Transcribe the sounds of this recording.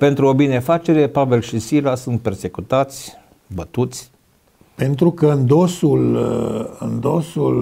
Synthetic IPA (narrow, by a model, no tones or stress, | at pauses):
pe̞nt̪ɾuobine̞fat͡ʃe̞ɾe̞pave̞lʃisilasunt̪̚perse̞kut̪at̪sʲ | bət̪ut̪sʲ | pe̞nt̪ɾukəɨnd̪osul | ɨ̰nd̪osul